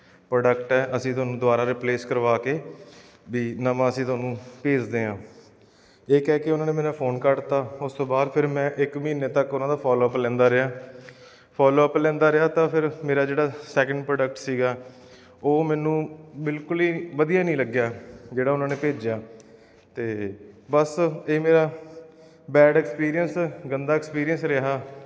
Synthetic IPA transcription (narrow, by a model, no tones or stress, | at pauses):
pɾoːɖəkʈɛːʔəsĩːt̪ʊaːnũːd̪ʊaːɾaːɾɪpleːskəɾʋaːkeː | ʋiːnəʋãːəsĩːt̪ʊoaːnũːpeːd͡ʒd̪eːɦãː | ɪːkɛːkɪʊnãːneːmɛːnãːpʰoːnkəɽt̪aːʊst̪õːbaːd̪pʰɪɾmɛ̃ːʔɪkmiːneːt̪əkʊnãːd̪aːpʰɔːloːəplɛ̃ːnd̪aːɾɪaː | pʰɔːloːəplɛ̃ːnd̪aːɾeaːt̪ãːpʰɪɾmeːɾaːd͡ʒeːɽaːsɛːkəɳɖpɾoːɖəkʈsiːɡaː | oːmɛ̃ːnũːbɪlkʊliːʋəd̪ijaːnĩːləɡjaːd͡ʒeːɽaːʊnãːneːpeːd͡ʒjaː | t̪eːbəseːmeːɾaː | bɛːɖɛːkspiːɾijənsɡənd̪aːɛkspiːɾijə̃nsɾeɦaː